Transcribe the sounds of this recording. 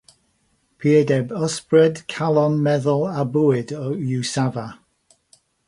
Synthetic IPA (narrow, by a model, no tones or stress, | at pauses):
pʰiədɛbəspɹɛdkʰalˠɔnmɛðʊlˠabuɪdɔjusava